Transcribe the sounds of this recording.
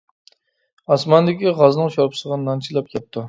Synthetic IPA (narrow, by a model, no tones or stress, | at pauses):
ɑsmɑnd̪ɪkʲiʁɑznɨŋʃoɾpʰsəʁənnɑnt͡ʃʰilˠɑp̚jʲɑp̚t̪ʰu